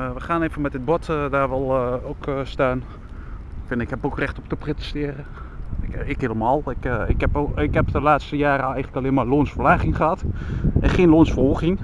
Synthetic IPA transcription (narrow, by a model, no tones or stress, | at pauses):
ʋəxaːneːvənmɛt̚dɪt̚bɔtdaːʋɛlˠokstaːn | fɪnɪkhɛpokrɛxtop̚təpretə̥stɪərə | ɪkeːləmaːlˠɪkɪkɛpɪkɛpdəlaːtstəjaːɾəɛjɣənləkalɪənmaloənsfərlaːɣɪŋχəhatɛnχeːnloənsfɔlˠɣɪŋ